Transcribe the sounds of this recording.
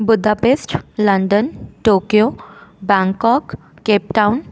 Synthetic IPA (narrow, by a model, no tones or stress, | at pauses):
bud̪ʱapesʈləɳɖənʈokijobãŋkɔkː | ep̚ʈaun